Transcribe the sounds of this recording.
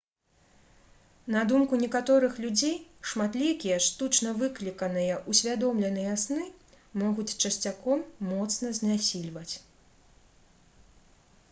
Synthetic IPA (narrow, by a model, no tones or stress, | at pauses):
nɐd̪umkunʲɛkat̪ɔɾɨxlʲud͡zʲejʂmat̪lʲikʲijɐʂt̪ut͡ʂnɐvɨklʲikɐnɨjɐʔusʲvʲad̪ɔmlʲɛnɨjɐasnɨ | mɔɣut͡sʲt͡ʂɐsʲt͡sʲakɔmːɔt̪snɐzʲnʲasʲilʲvɐt͡sʲ